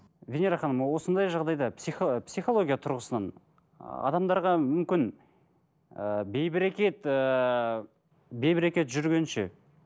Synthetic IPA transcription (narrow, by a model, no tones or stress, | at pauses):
vʲeneɾɑχɑnəmɑwo̞sənd̪ɑjʒɑʁd̪ɑjd̪ɑpsipsijχo̞lˠo̞ɡʲijɑt̪ʰʊɾʁəsənɑn | ɑ̰d̪ɑmd̪ɑɾʁɑmʏmkʲɪn | əbejbɪɾekʲe̞t̪ə | be̞jbɪɾekʲe̞t̪ʒʏɾɡʲe̞nʃe̞̰